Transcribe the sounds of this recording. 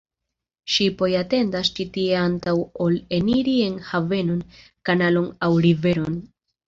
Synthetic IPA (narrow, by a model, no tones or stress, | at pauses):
ʃipo̞jate̞ndast͡ʃitie̞antawo̞le̞niɾie̞nhave̞no̞n | kanalo̞nawɾive̞ɾo̞n